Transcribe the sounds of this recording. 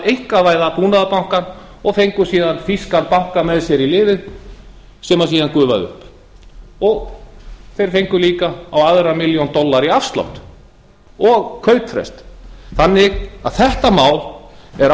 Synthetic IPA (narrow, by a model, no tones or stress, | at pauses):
ejhkavaːjðapuːnaðapawŋ̥kan | ɔɣfejŋkʏsiːðanfiskaɾpawŋ̥kamɛðsjɛɾilɪːvɪð | sɛmasiːðankʏːva̰ðʏ̰hp | ɔɣ | θejɾ̥fejŋkʏliːkaawaðɾamɪljownt̪ɔlːaɾiafst̪la̰wht̪ | ɔɣkʰœɥt̪fɾɛ̰st̪θanːɪɣa̰ðθɛht̪amaːwlɛɾ